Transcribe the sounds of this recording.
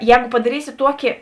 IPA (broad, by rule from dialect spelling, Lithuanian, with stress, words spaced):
ˈjɛːɡʊ pɐdɐˈrʲiːsʲɪ ˈtuɔkʲɪ